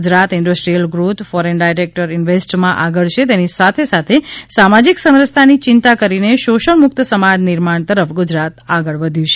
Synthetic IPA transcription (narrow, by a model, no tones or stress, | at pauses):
d͡ʒɾat̪ɪɳɖəsʈɾijəlɡɾut̪fɔɾenɖajɾek̚ʈəɾɪnʋesʈmãʔaɡəɭt͡ʃʰet̪enisat̪ʰesat̪ʰesamad͡ʒiksə̃mɾəst̪ʰanit͡ʃɪnt̪akəɾineʃoʃəɳmʊk̚t̪əsəmad͡ʒnɪɾmaɳt̪əɾəfɡʊd͡ʒɾat̪aɡəɭʋəd̪ʱjũt͡ʃʰe̥